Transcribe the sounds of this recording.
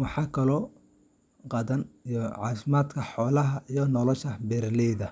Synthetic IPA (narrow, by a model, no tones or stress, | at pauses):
wɑħɑːkʰɐlɔː | qɑðɐnijɔʕɑ̰ːfɪmaːd̪kʰɐħɔːlɐɦɐʔijɔnɔlɔʃɐbɛɾlɛjðɐ